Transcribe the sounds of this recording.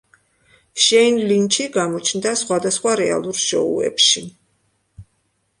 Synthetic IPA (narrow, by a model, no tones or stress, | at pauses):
ʃɛnlint͡ʃʰiɡamɔt͡ʃʰnd̪asχwad̪asχwaɾɛa̰lˠuɾʃɔ̰ṵɛ̰pʃi